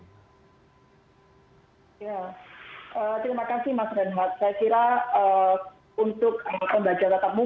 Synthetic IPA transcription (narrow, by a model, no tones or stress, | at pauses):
ja | ʔəːt̪ɾimakasɪhmasɾanɦat̪̚sajakiɾaə | unt̪ʊk̚əpəmbad͡ʒaɾat̪ap̚mu